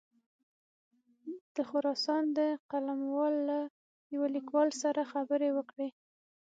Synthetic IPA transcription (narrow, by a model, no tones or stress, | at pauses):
d̪̥əxʊɾɑsɑnd̪əqalamwɑlːa | jawalikwɑlsaɾaxabəɾewəkɽe